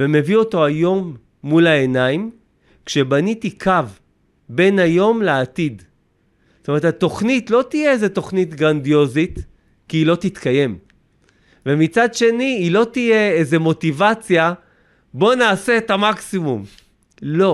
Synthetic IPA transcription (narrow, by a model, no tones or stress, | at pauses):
veme̞vio̞to̞ajo̞mː | ulaenaim | kʃe̞banit̪ikav | be̞najo̞mleatid | stome̞tʰat̪o̞χnit̪lo̞t̪ijeeze̞t̪o̞χnit̪ɡʁandijo̞zit | kiːlo̞t̪it̪kaje̞m | vemit͡sadʃe̞niːlo̞t̪ije̞eze̞mo̞t̪ivat͡sja | bo̞naːse̞ːtamaksimum | lo̞